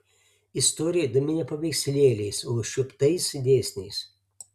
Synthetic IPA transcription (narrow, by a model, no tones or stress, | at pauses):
ɪst̪ɔːɾʲɪjɛd̪ɐmʲɪnʲɛpɐʋʲɛɪksʲlʲeːlʲɛɪsoːʃʲʊpt̪ɐɪsd̪ʲeːsʲnʲɛɪs